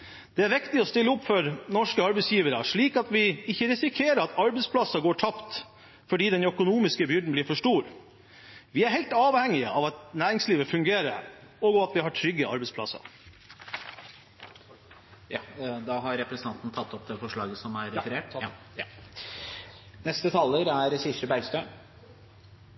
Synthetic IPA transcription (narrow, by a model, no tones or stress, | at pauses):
d̪̥ɛæɾʋɪkt̪ɪɔst̪ɪlːəʊpːfɔɾnɔʂkəɑɾbɛsjiːʋəɾəʂɭiːkɑt̪ʋɪɪçːəɾɪsɪkʰeːɾəɾɑt̪ʰɑɾbɛspʰlɑsɑɡoːʈʰɑpt̪ | fɔɖiːd̪ɛnœkʊnuːmɪskəbʏɖɳ̩bliːɾfɔʂʈuːɾ | ʋɪæɾhɛɪlt̪ɑːʋhɛŋːɪəʔɑʋɑt̪næːɾɪŋsliːʋəfʉŋɡeːɾəɾɔːɡɔʋɑt̪ʋɪhɑʈʰɾʏɡːəɑ̰ɾbɛspʰlɑ̰sɑ̰ | jɑd̪ɑɦɑɾɾɛpɾsənɑnt̪n̩t̪ʰɑt̪ːɔpd̪ɛfɔʂɭɑːɡəsɔmæɾɛfəɾeːʈ | nɛst̪ət̪ʰɑlːəɾæɾsɪʂəbæɪst̪ə